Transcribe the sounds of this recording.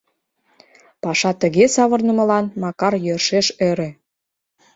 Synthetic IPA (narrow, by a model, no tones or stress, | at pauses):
pɑʃɑt̪ə̆ɣesɑβə̆rnə̆mə̆lɑnmɑkɑrjørʃeʃøɾĕ